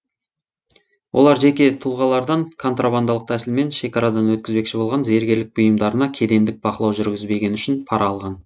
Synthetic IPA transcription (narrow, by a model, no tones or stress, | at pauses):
wʔo̞lˠɑɾʒe̞kʲe̞t̪ʰulˠʁɑlˠɑɾd̪ɑŋkʰo̞nt̪rʔaband̪ɑlˠəq̚t̪ʰæsɪlme̞nʃe̞kɑɾɑd̪ɑnwɵt̪̚kʲɪzbe̞kʃɪbo̞lˠʁɑnze̞ɾɡʲe̞ɾlɪk̚bʊjəmd̪ɑɾənɑkʲʰe̞d̪e̞nd̪ɪk̚b̥ɑqəlˠɑwʒʏɾɡʲɪzbe̞ɡʲe̞nʏʃɪnpʰɑɾʔɑːlˠʁɑn